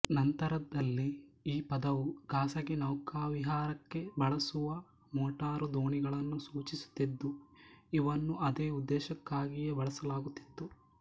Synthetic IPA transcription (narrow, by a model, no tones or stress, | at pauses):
nɐnt̪ɐɾɐd̪ɐlːiiːpɐd̪ɐʋuɡaːsɐɡinɐwkaːʋiɦaːɾɐkːe̞bɐɭɐsuʋɐ | moːʈaːɾud̪oːɳiɡɐɭɐnːusuːt͡ʃisu̥t̪ːid̪ːuiʋɐnːuʔɐd̪eːud̪ːɛːʃɐkːaːɡijebɐɭɐsɐlaːɡut̪ːi̥t̪ːu